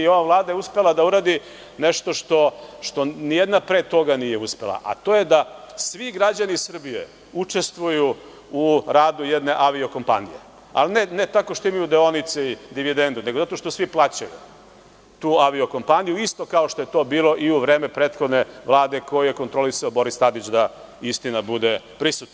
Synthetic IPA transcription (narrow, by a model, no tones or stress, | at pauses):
io̞ʋavlˠaːd̪ajeuspe̞lˠad̪auɾaːd̪i | neʃt̪o̞ʂt̪o̞ʃt̪o̞nijed̪napɾet̪o̞ɡanije̞uspe̞la̰ʔa̰t̪oːjed̪asʋiɡɾad͡ʑanisr̩bijḛ | ut͡ʂe̞st̪ʋuju | uɾaːd̪ujed̪ne̞ʔaʋio̞ko̞mpa̰nḭjḛ | a̰lnenet̪akoʃt̪oimajud̪eo̞nit̪seid̪iʋid̪end̪uneɡo̞zat̪o̞ʃt̪o̞sʋiplˠat͡ɕajṵ | t̪uːaʋio̞ko̞mpanijuist̪o̞kaoʃt̪ojet̪o̞ːbiːlˠo̞ʔiuʋɾe̞ːmepɾeːt̪xod̪neʋlˠaːd̪e̞kojijeko̞nt̪ɾolisaobo̞ɾist̪ad̪it͡ɕd̪a | ist̪inabud̪e | pɾisut̪na